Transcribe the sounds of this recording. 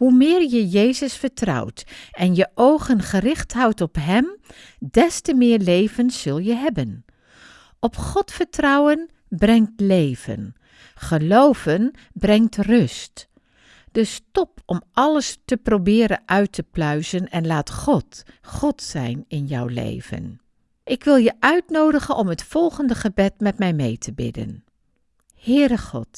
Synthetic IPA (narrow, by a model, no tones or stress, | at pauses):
ɦumɪːɹjəjejzəsfəɹtrɑ̰wtʔɛnjəʔowχənχərɪχtɦʌwtɔpɦɛm | dɛstəmɪːɹlejvənsːɵlˠjəɦɛbən | ɔpχɔtfəɹtrɑwən | brɛŋtlejvə̰n | χəlowv̥ən | brɛŋtrɵst | d̥əstɔpɔmʔɑləstəprowbɪːɾəʔœɥtʰəplœɥzənɛnlaːtχɔtχɔtsɛ̰jnɪnjɑwlḛjvə̰n | ʔɪkʋɪlˠjəʔœɥtnowdəχənɔmɦətfɔlˠχəndəχəbɛtmɛtmɛjmejtʰəbɪ̰də̰n | hɪːɾəχɔ̰t